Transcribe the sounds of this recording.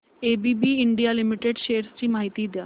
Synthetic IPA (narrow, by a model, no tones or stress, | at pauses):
eːbiːbiːɪɳɖijaːlɪmɪʈeːɖʃeːɾsɾiːmaːɦɪt̪iːd̪ɪja̰ː